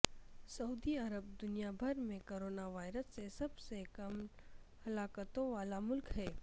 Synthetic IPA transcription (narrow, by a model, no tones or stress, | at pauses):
sɐuːd̪iɐɾəbd̪ʊnijabʱɐɾmẽkoːɾoːnaʋaːɪɾəsːesɐbsekɐmhɐlaːkət̪õʋaːlamʊlkɦɛː